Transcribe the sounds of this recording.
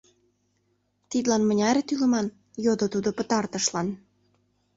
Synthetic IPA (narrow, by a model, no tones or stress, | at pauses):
t̪id̪lɑnmə̆nʲɑɾʲet̪ylə̆mɑn | jod̪ot̪ud̪opə̆t̪ɑrt̪ə̆ʃlɑn